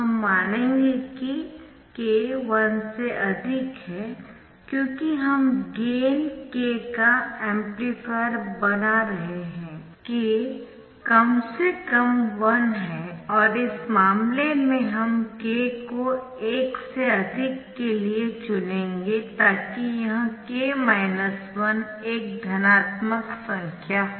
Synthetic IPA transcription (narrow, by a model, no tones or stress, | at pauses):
ɦɐmːaːnẽːŋɡeki | keːʋɐnseʔɐd̪ʱɪkɦɛː | kjõːkiɦɐmɡeːnkeːkaɛ̃ːmplifeɾbɐnaɾɐɦeɦɛ̃ː | keː | kɐmsekɐmʋɐnɦɛ̃ːɔːɾɪsmaːmlemẽɦɐmkeːko | eːkseɐd̪ʱɪkːeliet͡ʃʊlẽːŋɡet̪aːkijɐɦãkemaːɪnəswɐn | eːk̚d̪ʱɐnaːt̪məksɐ̃ŋkʰjaː